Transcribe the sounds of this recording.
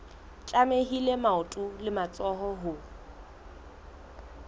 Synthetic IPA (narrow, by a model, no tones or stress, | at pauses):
t͡ʃʼameɦilemaʊtʼulɪmat͡sʼɔɦɔɦʊ